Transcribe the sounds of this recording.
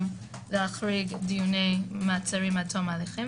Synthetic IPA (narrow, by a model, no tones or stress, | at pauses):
m | leaχɾiɡdijunejmat͡saɾimatʰomaleχi